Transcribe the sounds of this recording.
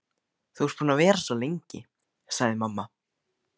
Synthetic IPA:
θuws̚puːnavɛːɾasɔlejɲcɪ | saɣðɪmamːa

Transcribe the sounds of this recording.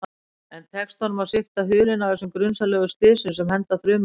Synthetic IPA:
ɛnt̪ʰɛkst̪ʰanʏmasɪft̪aɦʏːlɪnavðɛsʏmkɾʏnsalɛːɣʏst̪ɪːðsɪnsɛmhɛnt̪aθɾʏːm

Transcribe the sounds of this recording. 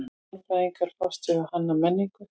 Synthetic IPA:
paðiŋkaɾ̥fast̪ʏɣɪhanːamɛnːiŋkʏ

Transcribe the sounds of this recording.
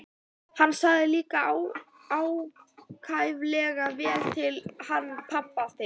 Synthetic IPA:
hanːsaɣðɪliːkaaw | aːwkʰaːjvlɛːɣavɛːɾt̪ʰɪlhanːpʰapːaθe

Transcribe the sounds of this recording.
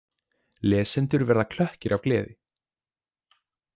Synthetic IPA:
lɛːsɛnt̪ʏɾvɛɾðakʰl̥œhcɪɾʔavklɛːðɪ

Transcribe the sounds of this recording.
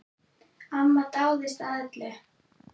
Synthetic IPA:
amːat̪awðɪst̪at̪lɛ

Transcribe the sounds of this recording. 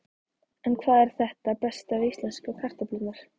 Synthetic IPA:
ɛnkʰvaːðɛɾ̥θɛht̪apɛst̪aðist̪lɛnskakʰar̥t̪aplʏnaɾ̥

